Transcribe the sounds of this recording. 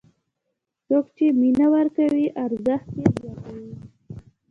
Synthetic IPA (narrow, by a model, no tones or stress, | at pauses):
t͡sokt͡ʃeminawaɾkawiʔaɾzəxt̪jed͡ʒaɾawi